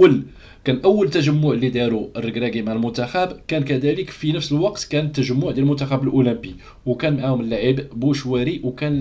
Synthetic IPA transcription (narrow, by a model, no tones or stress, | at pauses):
əl | kænʔəwːəlt̪ːæʒəmːʊʕlid̪æɾuərːəɡɾæɡimaʕəlmʊnt̪æxæbkænkæd̪æləkfinəfsəlwɑqt̪kænət̪ːæʒəmːʊʕd̪jælmʊnt̪æxæbəlʔuləmbi | wkænmaʕahʊməlːaʕibbuʃwæɾiwkæn